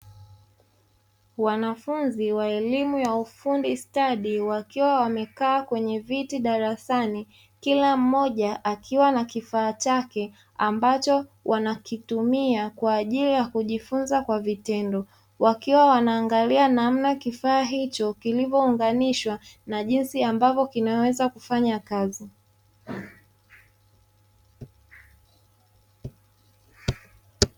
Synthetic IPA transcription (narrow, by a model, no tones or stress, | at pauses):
wanafunziwaɛlimujaufundistaɗiwakiwawamɛkaːkwɛɲɛvitiɗaɾasani | kilam̩ːɔʄaʔakʰiwanakifaːt͡ʃakɛ | ambat͡ʃɔwʔanakitumiakwaːʄilijakuʄifunzakwavitɛndɔ | wakiwawanaːŋɡalianam̩nakifaːɦit͡ʃɔkilivɔuŋɡaniʃwanaʄinsiambavɔkinawɛzakufaɲakazi